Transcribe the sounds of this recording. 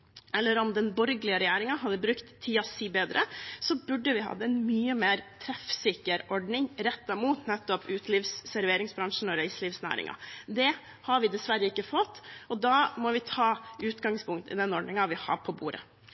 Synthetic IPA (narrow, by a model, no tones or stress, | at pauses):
ɛlːəɾɔmd̪ɛnbɔɾɡlɪəɾɛjæːɾɪŋɑɦɑd̪ːəbɾʉkt̪ʰːiːɑsiːbeːd̪ɾʔəsɔbʉɖːəʋɪɦɑ̰d̪ːəɛɪnmyːəmeːɾt̪ʰɾɛfsɪkəɾɔɖnɪŋɾɛt̪ːɑmuːt̪nɛt̪ːɔpʉːt̪liːʋssɛɾʋeːɾɪŋsbɾɑŋʂn̩ɔɾæɪsliːʋsnæ̰ːɾɪ̰ŋʔɑ̰d̪ɛ | hɑɾʋɪd̪ɛsʋæɾːəɪkːəfɔt̪ːɔd̪ɑːmɔʋɪt̪ʰɑːʉːt̪ɡɑŋspʰʊŋkt̪ɪ̰d̪ɛnɔɖnɪŋɑʋɪhɑ̰pʰɔbṵːɾə̰